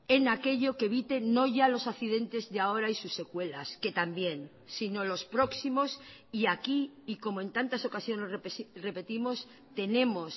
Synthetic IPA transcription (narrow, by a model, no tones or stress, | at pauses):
e̞nake̞ʎo̞keβit̪e̞no̞ʝalo̞saθið̞e̞nt̪e̞zðeao̞ɾaisusːe̞kwe̞laske̞t̪ambje̞n | sino̞lo̞spɾo̞ksimo̞siakiːko̞moe̞nt̪ant̪aso̞kasjo̞ne̞srere̞pe̞t̪imo̞s | t̪e̞nẽ̞mo̞s